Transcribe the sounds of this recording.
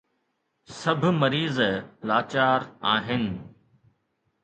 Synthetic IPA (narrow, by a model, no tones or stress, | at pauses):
sɐbʱmɐɾiːzlaːt͡ɕaːɾaːɦɪnɪ̆